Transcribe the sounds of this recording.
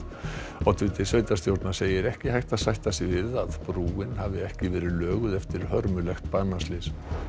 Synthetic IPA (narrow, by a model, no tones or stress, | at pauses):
awt̪ʰvɪt̪ɪsœːɥt̪ast̪jowɾt̪naseːjɪɾɛhcɪhajht̪aðsajht̪asɪvɪðaðpɾuːɪnhavɪɛhcɪvɛːɾɪlœːɣʏðɛft̪ɪɾ̥hœɾmʏlɛxt̪panːaslɪs